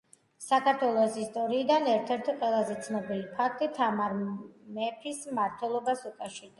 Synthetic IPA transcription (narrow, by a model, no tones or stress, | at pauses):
sakʰaɾt̪ʰwɛlˠɔsist̪ʼɔɾiːd̪anɛɾt̪ʰɛɾt̪ʰiqʼwɛlˠazɛt̪sʰnɔbilipʰak̚ʰt̪ʼit̪ʰamaɾmɛpʰismaɾt̪ʰwɛlˠɔbasukʼaʃiɾd̪a